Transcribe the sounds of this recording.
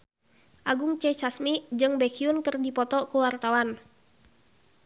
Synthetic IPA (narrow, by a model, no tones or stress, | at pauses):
ʔaɡuŋt͡ʃɛt͡ʃasmid͡ʒɨŋbɛkʰiunkɨrdipɔt̪ɔkuwart̪awan